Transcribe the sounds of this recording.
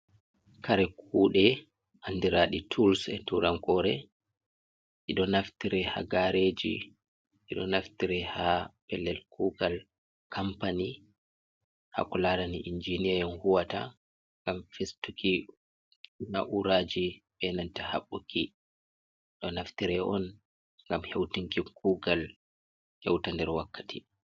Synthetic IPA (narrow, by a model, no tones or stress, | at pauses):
kaɾɛk̚ʰuːɗɛ | ʔandiɾaːɗitʰulsɛtuɾaŋkɔɾɛ | ʔiɗɔnaftiɾɛha̰ɡaɾed͡ʒḭ | ʔiɗɔ̰naftiɾɛhapɛlːɛlkʰuːɡal | kʰampani | ha̰kɔladaniʔind͡ʒiniɛjɛnhuwata̰ | ŋɡamfestuki | na̰ʔuɾaːd͡ʒiɓɛnantaha̰ɓːuki | ɗɔnaftiɾɛʔɔn | ŋɡamhewtiŋkikuɡal | hɛwtandɛɾwakːḁtʰi